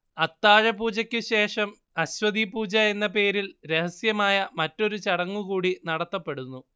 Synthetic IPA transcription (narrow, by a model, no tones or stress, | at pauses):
ɐt̪ːaːɻɐpuːd͡ʑɐkʲːɨɕe̞ːʂɐm | ɐɕwɐðipuːd͡ʑɐe̞nːɐpe̞ːɾilɾe̞hɐsjɐmaːjɐmɐtːo̞ɾut͡ɕɐɽɐŋːukuːɽinɐɽɐt̪ːɐpːe̞ɽunːu